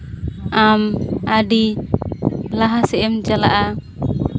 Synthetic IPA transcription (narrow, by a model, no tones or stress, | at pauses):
amadi | laɦasɛɛmd͡ʒala̰ʔa